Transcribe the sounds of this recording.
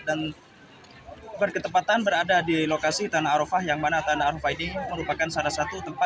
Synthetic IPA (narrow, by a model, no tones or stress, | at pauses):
dan | bərkət̪əpat̪anbəɾadadilokasit̪anaːɾofahjaŋmanat̪anaːɾofaidɪŋməɾupakansalahsat̪ut̪əmpa